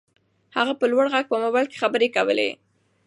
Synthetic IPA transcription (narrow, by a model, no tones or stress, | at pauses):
haɣapəlwaɽɣaɡ̚pəmobalke̥xabəɾekawə̰lḛ